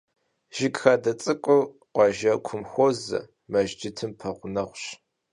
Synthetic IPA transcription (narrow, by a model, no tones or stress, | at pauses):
ʒ̥ɪɡxaːdɐt͡sʼɨkʷʼʊr | qʷɑʒɐkʷʰʊmxʷozɐ̰ | mɐʒd͡ʒɪtʰɨmpʰɐʁʷʊnɐχʷɕ